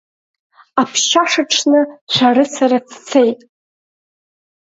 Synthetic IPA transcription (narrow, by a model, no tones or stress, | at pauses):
apʰʃaʂaʈ͡ʂʰnɨʃʷʰaɾɨsaɾat͡st͡sʰe̞jtʼ